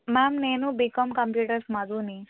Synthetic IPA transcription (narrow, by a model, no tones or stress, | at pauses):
mamnenũbikɔmkəmpjuʈəɾsmad̪uni